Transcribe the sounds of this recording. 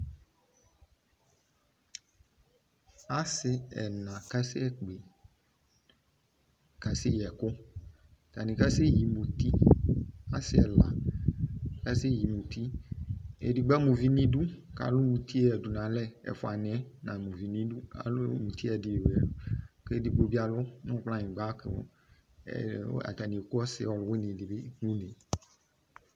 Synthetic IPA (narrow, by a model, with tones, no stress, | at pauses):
a˦sɪ˨ɛ̰˨nã˨ka˦sɪ˦ɛ˦k͡pe˨ | ka˨sɪ˦jɛ˨kʊ˦ | t̪a˨nĩ˨ka˦sɪ˦ji˨mũ˨t̪i˦ | a˦sɪ˦ɛ̰˨la̰˨ | ka˦sɪ˦ji˨mũ˨t̪i˦ | ḛ˨di˨ɡ͡bɛ˦mũ˨vi˦nĩ˦du˦ka̰˨lʊ˦mũ˨t̪ʰi˦˨ɛ˨du˨nã˨lɛ˦ɛ̰˨fo˨a˨ñ˨ɛ˦nã˨mũ˨vi˨nĩ˦du˦a̰˨lo˦mũ˨t̪i˦ɛ˨di˨ɛ˨˦ke˦di˨bo˦bi˦a˨lɔ˦nɔ̃˦k͡plã˦ɲĩ˨ɡ͡ba˦kḛ˨˦˨ | a̰˨t̪a˨nĩ˨ko˦ɔ˦sɪ̰˨wɔ˨lwe˦nĩ˨di˨be˦ŋũ˦nẽ˨